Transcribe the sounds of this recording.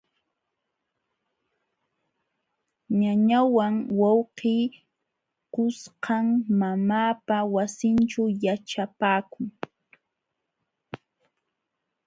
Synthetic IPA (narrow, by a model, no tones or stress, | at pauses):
ɲaɲawaŋwɑwqiː | kʊsqɑŋmamaːpawasɪnt͡ʃajaʈ͡ʂapaːkʊŋ